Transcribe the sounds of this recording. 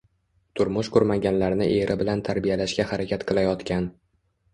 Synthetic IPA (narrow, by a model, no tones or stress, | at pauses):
t̪ʰʊɾmʊʃqʰʊɾmaɡʲanlaɾnɪʔe̞ɾʔɪbɪlant̪ʰaɾbijalaʃkʲahaɾakʲʰat̪qʰɨlˠajɒt̪kʲʰan